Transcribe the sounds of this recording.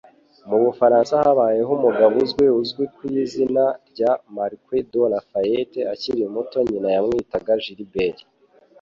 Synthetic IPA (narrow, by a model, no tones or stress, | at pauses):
muβufaɾaːnsahaβaːje̞ɦumuɡaβuzɡweuzɡwikwizinaɾɟamaɾkwedonafajeteaciɾimuto̞ɲinajamŋiːtaɡaʒiɾibeɾi